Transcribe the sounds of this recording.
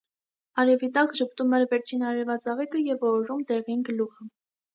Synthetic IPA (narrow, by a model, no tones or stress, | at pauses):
ɑɾɛvit̪ɑkʒəp̚t̪umɛɾvɛɾt͡ʃʰinɑɾɛɾvɑt͡sɑʁikəjɛvɔɾumt̪ɛʁinɡəluʁə